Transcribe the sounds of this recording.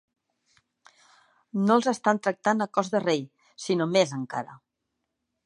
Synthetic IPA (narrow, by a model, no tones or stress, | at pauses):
nolˠzəst̪ant̪ɾək̚t̪anəkɔzðərej | sinomezəŋka̰ɾə̰